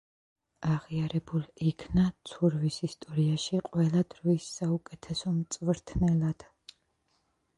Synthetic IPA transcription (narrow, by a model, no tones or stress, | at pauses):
aʁiaɾɛbulikʰnat̪sʰuɾvisist̪ʼɔɾiaʃiqʼwɛlˠad̪̥ɾvisːaukʼɛt̪ʰɛsɔmt̪sʼvɾt̪ʰnɛlˠad̪̥